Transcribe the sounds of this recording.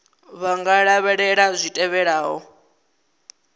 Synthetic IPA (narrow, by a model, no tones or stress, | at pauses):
βaŋɡaɺaβɛɺɛɺazʷitʼɛβɛɺaːɦɔ